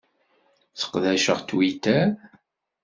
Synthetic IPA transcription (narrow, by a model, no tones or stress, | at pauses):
θə̥qðæʃə̰ʁt̪ːwit̪æ